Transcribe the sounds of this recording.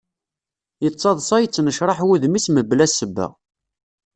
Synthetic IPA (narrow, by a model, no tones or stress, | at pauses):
jət͡sˤːɑðˤsˤɑjət͡sːnəʃɾˤɑħwuðmisməblæsəbːə̰